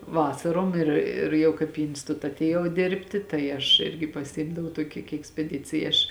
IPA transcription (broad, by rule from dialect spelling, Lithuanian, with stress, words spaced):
ˈʋɑːsɐroːm ˈɪr ɪr ˈjɛʊ kɐɪp iː ɪnsˈtʊtɐ ɐtʲeːˈjɛʊ ˈdʲeːrʲpʲtʲɪ ˈtɐɪ ɐʃ ˈɪrʲɡʲɪ pɐˈsʲɪmdɐʋɐʊ ˈtuɔkʲɪ kɐɪ ɛksʲpʲɛˈdʲɪt͡sʲɪjɛ ˈɐʃ